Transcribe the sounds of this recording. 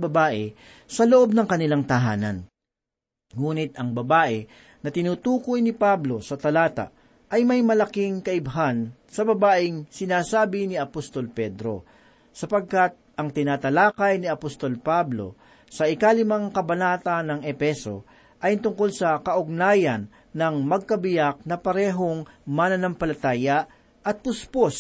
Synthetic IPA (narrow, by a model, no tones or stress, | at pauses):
bɐbaːʔɛ | sɐloʔo̞b̚nɐŋkɐnɪlaŋt̪ɐɦaːnɐ̰n | ŋuːnɪt̪ɐŋbɐbaːʔɛ | nɐt̪ɪnuːt̪uːkojnɪpablo̞sɐt̪ɐlaːt̪ɐ̰ʔ | ʔɐjmɐjmɐlɐkiŋkɐʔɪbɐɦansɐbɐbaːʔɪŋsɪnaːsaːbɪnɪɐpost̪o̞lpɛd̪ɾo̞̰ | sɐpɐɡ̚kat̪̚ʔɐŋt̪ɪnaːt̪ɐlaːkɐjniɐpost̪o̞lpablo̞̰ | sɐʔɪkalɪmaŋkɐbɐnaːt̪ɐnːɐŋɛfɛso̞ | ʔajnt̪ʊŋko̞lsɐkɐʔʊɡ̚naːjɐnː | ɐŋmɐɡ̚kɐbɪjak̚nɐpɐɾɛːɦo̞ŋmanɐnɐmpɐlɐt̪aːjɐ | ʔɐt̪̚pʊspos